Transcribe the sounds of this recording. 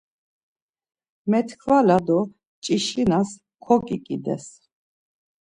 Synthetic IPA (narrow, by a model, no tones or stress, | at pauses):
mɛt̪ʰkʰvalad̪ɔ | t͡ʃʼiʃinas | kʰɔkʼikʼid̪ɛ̰s